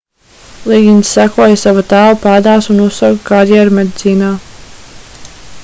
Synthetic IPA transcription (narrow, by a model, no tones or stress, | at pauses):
lˠiɡʲinsːækuɔjsavat̪aːlˠpaːd̪aːsunussawkkaɾjɛɾmed̪ʲit̪siːnaː